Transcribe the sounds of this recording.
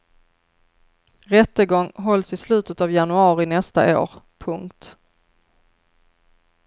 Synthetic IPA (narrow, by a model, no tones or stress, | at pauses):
ɾɛt̪ːəɡɔŋːɦɔlsɪslʉ̟ːt̪ət̪avjanɵɑːɾɪnɛst̪a̰ʔo̰ːɾpʰɵŋkt̪